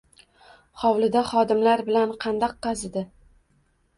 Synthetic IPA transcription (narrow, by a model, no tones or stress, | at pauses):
χɒwlɪd̪aχɒd̪ɪmlaɾbɪlanqʰɑnd̪ɒqːɑzɪd̪ɪ